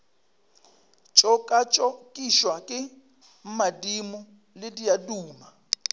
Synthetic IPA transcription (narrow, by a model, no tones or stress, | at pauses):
t͡ʃʼɔkʼat͡ʃʼɔkʼiʃwakʼɪ | m̩madimʊ | lɪdijaduːma